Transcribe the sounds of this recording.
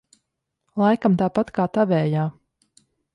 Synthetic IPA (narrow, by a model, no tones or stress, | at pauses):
lˠajkamt̪aːpat̪kaːt̪avɛːjaː